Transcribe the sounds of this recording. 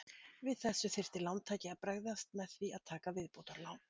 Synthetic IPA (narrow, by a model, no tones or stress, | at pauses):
vɪðθɛsːʏθɪr̥t̪ɪlawnt̪ʰaːcɪapɾaɣðast̪̚mɛðθviaðt̪ʰaːkavɪðpowt̪aɾlawn